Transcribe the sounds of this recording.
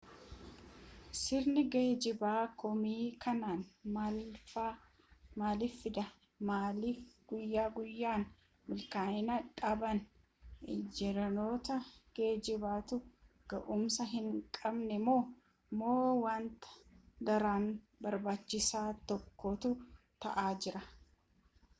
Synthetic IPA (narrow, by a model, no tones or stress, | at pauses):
sɪɾnɪɡeːd͡ʒɪbaːkɔmiːkʰɐnaːnmlfa | maːliːfːɪd̪ɐ | maːlifɡ̥ʊjːaːɡʊjːaːn | mɪlkaːɪnɐᶑʼɐbɐn | ɪd͡ʒɛɾɐno̞ːt̪ɐɡ̥e̞ːd͡ʒɪbaːt̪ʊ | ɡ̥ɐʔʊmsɐɦɪŋkʼɐbnɛmo̞ː | mo̞ːwaːnt̪ɐ̥d̪ɐɾaːn | bɐɾbaːt͡ʃːɪsaːt̪ɔkːɔt̪ʊ | t̪ɐ̰ʔaːd͡ʒɪɾɐ